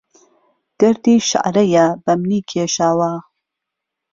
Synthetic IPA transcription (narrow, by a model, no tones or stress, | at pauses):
ɡ̥ɐɾd̪iːʃa̰ʔɾɐjɐbɐmniːkʰeːʃaːwa